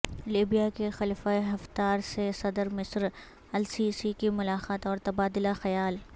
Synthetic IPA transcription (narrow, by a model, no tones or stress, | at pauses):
liːbijakexɐlifaeɦɐft̪aːɾsesɐd̪əɾmɪsɾ | ɐlsiːsikimʊlaːqaːt̪ɔːɾt̪ɐbaːd̪ɪlaxɐjaːl